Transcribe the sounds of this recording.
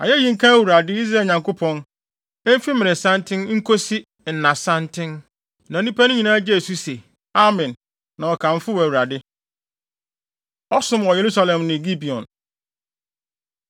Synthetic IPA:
a̰˨jɛ˦ji˦˨ŋ̩˦kʰã˦æ˦˨wu˨ɾa˨dɪ˦i˦z̬ɾaː˦˨ɲã˨ŋkʊ˦pʰɔ̃˦n˦ | m̩˦fi˦mɪ̃˨ɪ̃˨sã˦ntʰɪ̃˦n˦ŋ̩˦kʰo˦si˦ | n̩˨nã˨sã˦ntʰɪ̃˦n | nã˨nĩ˦pa˦nʊ̃˦ɲĩ˨nãː˦d͡ʑɛ˦˨su˦se˨ | a˦mɛ̃˨nː | ã˨ɔ˨kʰã˨m˦fʊ˦wæ˨wu˨ɾa˨dɪ˦ | ɔ˦sʊ̃˦mwɔ˨je˨ɾu˦sa˦lɛ̃˨mnɪ̃˨ɡi˦bi˨ɔ̰̃˨n

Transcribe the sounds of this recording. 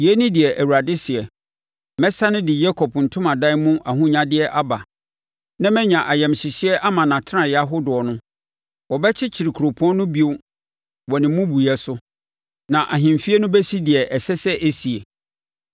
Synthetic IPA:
jɛ˦nɪ̃˦dɪ˨ɛ˨ʔæ˨wu˨ɾa˨dɪ˦sɪ˨ɛ˨ | mɛ˦sa˦nɪ̃˦dɪ˨jɛ˦kʰɔ˨pʰn̩˨tʰʊ̃˦mã˨dã˦mʊ̃˦ʔa˨ɦʊ̃˦ɲã˦dɪ˦ɛ˦ʔa˦ba˨ | nã˦mɛ̃˦ɲã˨ʔa˨jɛ˨mɕɪ˨ɕɪ˦ɛ˦ʔa˦mã˨nã˨tʰɾã˨ja˦ɦʊ˦dʊ˨ɔ˨nʊ̃˦ | wɔ˨bɛ˦t͡ɕʰɪ˦t͡ɕʰi˨ɾi˨kʰu˨ɾo˨pʰũ˦ɔ̃˦nʊ̃˦bi˦o˦ | wɔ˨nɪ̃˨mũ˦bu˨jɛ˦sʊ˦ | nã˨ʔa˨ɦɪ̃˨m˨fi˦e˦nʊ̃˦bɛ˦si˦dɪ˨ɛ˨ʔɛ˨sɛ˦sɛ˦ʔe˦si˨e˨

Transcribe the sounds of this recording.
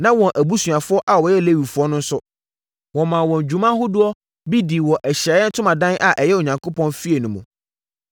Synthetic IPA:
nã˦wɔ̃˨nʔæ˨bu˦su˨a˨fʊ˦ɔ˦ʔa˨wɔ˨jɛ˦˨le˦ɥi˨fʊ˨˦ɔ˦nʊ̃˦n̩˦sʊ˦ | wɔ̃˨mã˨wɔ̃˨ɲ˨d͡ʑᶣu˨mã˦ɦʊ˦dʊ˦ɔ˦ | bi˦di˨wɔ̃˨ʔɛ˨ɕɾɛ˨˦ɛ˦n̩˦tʰʊ̃˦mã˨dã˦nʔa˨ʔɛ˨jɛ˦o˨ɲã˨ŋkʰo˦pʰɔ̃˦nfi˦e˨nũ˨mṵ̃˨

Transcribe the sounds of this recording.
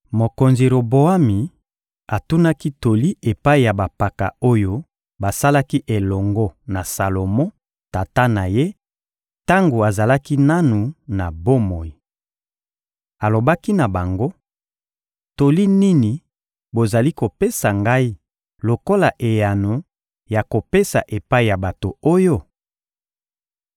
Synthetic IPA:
mo˨ko˨nzi˨ɾo˨bo˨a˦mi˨ | a˨tu˦na˦ki˦to˨li˦e˨pa˦i˨ja˨ba˨pa˨ka̰˨o˦jo˦ | ba˨sa˦la˦ki˦ʔe˨lɔ˨ŋɡɔ˦na˨sa˨lo˨mɔ̃˦ | ta˨ta˦na˨je˦ | ta˦ŋɡo˨a˨za˨la˦ki˦na˦nu˨na˨bo˦mo˨ji˨ | a˨lo˨ba˦ki˦na˨ba˨ŋɡo˦ | to˨li˦ni˦ni˨ | bo˨za˨li˦ko˨pe˦sa˨ŋɡa˦i˦ | lo˨ko˦la˨ʔe˨ja˨nu˨ | ja˨ko˨pe˦sa̰˨ʔe˨pa˦i˨ja˨ba˨to˨o˦jo˦

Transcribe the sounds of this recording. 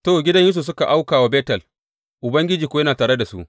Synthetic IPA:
toː˦˨ɡʲɪ˦dɐ˦ɲjɪ˦s̬o˨s̬ʊ˦ka˨ʔa˦wkaː˨wa˦beː˦tɐ˨l | ʔʊ˨bɐ˦ŋɡʲɪ˦d͡ʒiː˨kʷo˦jɐ˦naː˨taː˨ɽe˦da˨sṵ˦ʔ

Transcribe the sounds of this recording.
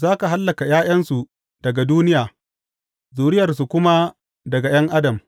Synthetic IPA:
zaː˦ka˨ɦa˦lːɐ˨ka˨jaː˦jɐ˦nsu˨ | d̥ɐ˨ɡa˨duː˦nɪ˦jaː˨ | zuː˨ɽɪ˦jɐ˨rs̬u˨kʷʊ˦ma˦ | dɐ˨ɡa˨j̰ɐ˦ŋʔa˦dɐ˨m

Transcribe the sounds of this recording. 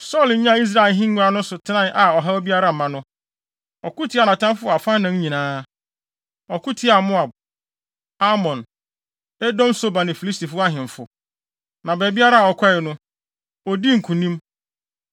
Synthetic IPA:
sɔ˦˨lɲ̩˦ɲã˦i˦s̬ɾa˨ɪ˨lɦĩ˦ŋː˦ʊ̃˦a˦nʊ̃˦sʊ˨tʰɪ˦nã˦˨nʔa˨ɔ˨ɦa˦ɔ˦bi˦a˦ɾa˦m̩˨mã˨nʊ̃˦ | ɔ˨kʊ˦tʰi˨˦a˨nã˨tʰã˦mfʊ˦˨a˨fã˦nã˨n˦ɲĩ˨nãː˦ | ɔ˨kʊ˦tʰi˦a˨mʊ̃˦a˨b̚ | a˦mɔ̃˨n | ɛ˦dɔ̃˦mso˦ba˨nɪ̃˨fi˨li˦sti˨fʊ˦a˦ɦɪ̃˨ɱ˨fʊ˨ | nã˨bɛ˨bi˦a˦ɾa˦a˨ɔ˨kʰʷɔ˦ɪ˨nʊ̃˦ | ɔ˨di˦ŋ̩˨kʰũ˨nĩ˦m

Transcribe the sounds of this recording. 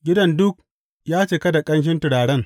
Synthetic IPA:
ɡʲɪ˦dɐ˦ndʊ˦k̚ | jaː˦t͡ʃeː˨kɐ˦da˨kʼɐ˦nʃ̬ɪ˦ntɪ˨ɽaː˨ɽɐ˦ŋ

